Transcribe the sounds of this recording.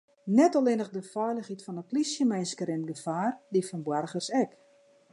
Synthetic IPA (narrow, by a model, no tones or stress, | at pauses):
nɛtɔlˠɪnəxdəfɛjləxhitfɔnəplisjəmeːnskəɾɪnɡəfaːrdifɔnbwɛrxərsɛk